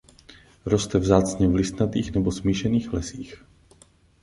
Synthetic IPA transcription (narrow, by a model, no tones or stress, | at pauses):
ɾost̪ɛvzaːt͡sɲɛvlɪst̪nat̪iːxnɛbosmiːʃɛniːxlɛsiːx